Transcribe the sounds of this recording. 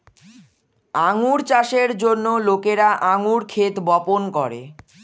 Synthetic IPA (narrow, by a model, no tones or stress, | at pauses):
aŋuɾt͡ɕaʃeɾd͡ʑonːolokeɾaʔaŋuɾkʰet̪bɔponkɔɾḛ